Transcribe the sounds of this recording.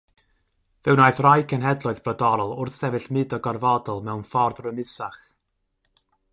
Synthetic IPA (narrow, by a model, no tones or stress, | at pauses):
vɛwnajθrajkʰənɦɛdlˠɔɨðb̥rɔdɔɾɔlˠʊrθsɛvɨɬmɨdɔɡɔrvɔdɔlˠmɛwnfɔrðrəmɪsaχ